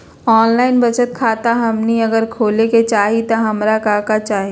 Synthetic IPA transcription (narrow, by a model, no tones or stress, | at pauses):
ɔːnlaːɪnbɐt͡ʃət̪̚kʰaːt̪aɦɐmniɐɡəɾkʰoːleket͡ʃaːɦit̪aɦɐmɾakaːkat͡ʃaːɦi